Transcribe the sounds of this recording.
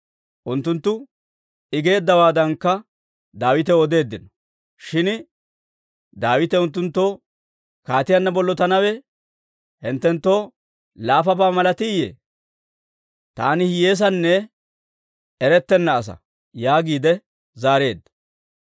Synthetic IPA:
ʔʊnt̪ːʊnt̪ːʊ | ɪɡe̞ːd̪ːɐwaːd̪ɐŋkːɐ | d̪aːwɪt̪ɛɔd̪e̞ːd̪ːɪnɔ̥ | ʃɪn | d̪aːwɪt̪ɛʊnt̪̬ːʊnt̪ːo̞ː | kaːt̪ɪjɐnːɐbɔlːɔt̪ɐnɐwɛ | hɪnt̪ːɛnt̪ːo̞ː | laːfɐbaːmɐlɐt̪ɪjḛː | t̪aːnɪhje̞ːs̬ɐnːɛ | ɛɾɛt̪ːɛnːɐːs̬ɐ̰ | jaːɡiːd̪ɛ | zaːɾe̞ːd̪ːɐ̥

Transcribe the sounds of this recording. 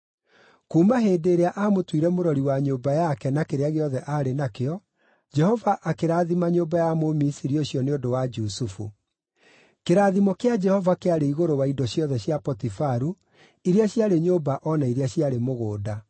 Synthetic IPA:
kuːmaɦeːdeːɾeaʔaːmotwiɾɛmoɾɔɾiwaɲoːbajakɛnakeɾeaɣeɔðɛʔaːɾenakeɔ | d͡ʒɛhɔvaʔakeɾaːðimaɲoːbajamomisiɾioɕjɔneodowad͡ʒusufṵ | keɾaːðimɔkead͡ʒɛhɔvakeaɾeiɣoɾowaidɔɕijɔðɛɕjapɔtifaɾu | iɾeaɕjaɾeɲoːbaʔɔnaiɾeaɕiaɾemoɣoːda

